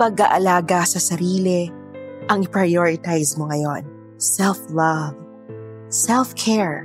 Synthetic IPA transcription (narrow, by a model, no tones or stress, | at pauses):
pɐɡaʔɐlaːɡasɐsɐɾiːlɛ | ʔɐŋɪpɹɐjoːɹɪt̪ajsmoŋɐjo̞n | sɛlflɐv | sɛlfkʰɛɹ